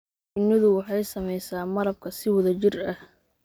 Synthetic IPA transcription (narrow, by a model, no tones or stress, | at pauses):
ʊnːɪðʊwɑħɑjsɐmɛjsaːmɐɾɐb̚kʰɐsɪwɐðɐt͡ʃɪrɐh